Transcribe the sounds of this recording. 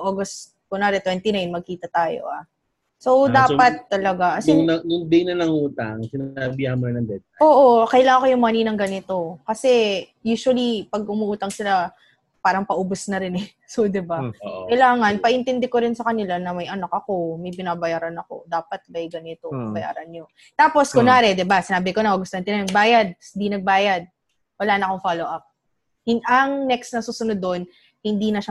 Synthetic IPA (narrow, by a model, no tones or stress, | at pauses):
ʔoɡɐst̪ | kʊnaːɾɛt̪wɛnt̪inajnmɐɡ̚kiːt̪ɐt̪aːjo̞̰ʔa | so̞wd̪aːppɐt̪ːɐlɐɡaʔɐsʊŋnɐnʊŋd̪ɪjnɐnɐŋuːt̪aŋsɪnabɪɐmɛnɐnd̪ɛt̪̚aoːʔo̞kɐʔɪlaːŋɐnkojʊŋmaninɐŋɡɐnɪt̪o̞kɐsɛjuːʃwɐlipɐɡ̚ʊmuʔuːt̪ɐŋsɪla | paːɾɐŋpɐʔoːbosnɐɾɪnɛ | sod̪ɪbakɐjlaːŋɐnpɐʔɪnt̪ɛnd̪ɛkoɾɪnsɐkɐnɪlanɐmɐjʔɐnɐk̚ɐko̞mɐjpɪnaːbɐjaːɾɐnɐko̞̰d̪aːpɐt̪̚mɐjɡɐnɪt̪o̞pɐbɐja̰ːɾɐnɲo | t̪aːpo̞skʊnaːɾɛd̪ɪbasɪnaːbɪkonɐɐɡʊst̪oɐnt̪ɪnɐnɐɡ̚baːjɐd̪̚ɪnd̪inɐɡ̚baːjɐd̪̚ | wɐlaːnɐkoŋfaloʔap̚ | hɪʔɐŋnɛksnɐsuːsʊnʊd̪ːo̞n | hɪnd̪iːnɐʃa